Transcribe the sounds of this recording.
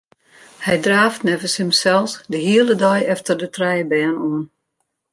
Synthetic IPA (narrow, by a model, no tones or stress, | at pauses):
hɛjdraːftnɛvəshəmsɛlˠsdəhiəlˠədɔjɛftərdətʰrɛjəbɛːnuən